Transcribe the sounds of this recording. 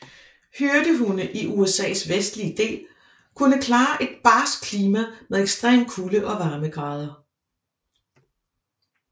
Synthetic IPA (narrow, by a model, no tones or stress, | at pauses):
høɐd̥əɦunəʔiʔuesɛ̰ːsʋesd̥liəd̥e̝̰ːl | kʰunəkʰlɑ̈ːʔe̝d̥̚b̥ɑ̈ːskʰliːmæmeðˠeɡ̥sd̥ʁḛːmkʰuləʔɒ̽ʋɑ̈ːməɡ̥ʁɑ̈ːð̞ˠɐ